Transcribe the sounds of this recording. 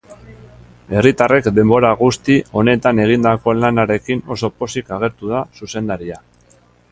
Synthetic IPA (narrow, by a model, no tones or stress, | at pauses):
e̞rit̪are̞kd̪e̞mbo̞ɾaɣust̪io̞ne̞t̪ane̞ɣ̞ind̪ako̞lanaɾe̞kino̞so̞po̞sikaɣ̞e̞ɾt̪uð̞asuse̞nd̪aɾia